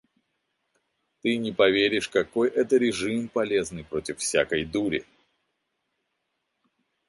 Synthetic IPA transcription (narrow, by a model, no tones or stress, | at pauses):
t̪ɨnʲɪpɐvʲeɾʲɪʂkɐko̞jʔɛt̪əɾʲɪʐɨmpɐlʲe̞znɨjpɾo̞tʲɪfːsʲakəjd̪uɾʲɪ̰